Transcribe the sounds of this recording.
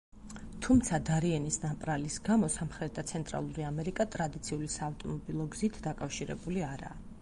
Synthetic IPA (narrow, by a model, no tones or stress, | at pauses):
t̪ʰumt̪sʰad̪aɾiɛnisnapʼɾalisɡamɔsamχɾɛt̪ʰat̪sʰɛnt̪ʼɾa̰lˠuɾiamɛɾikʼat̪ʼɾad̪it̪sʰiulisaːft̪ʼɔmɔbilˠɔɡzit̪ʰd̪akʼafʃiɾɛ̰buliaɾa̰ː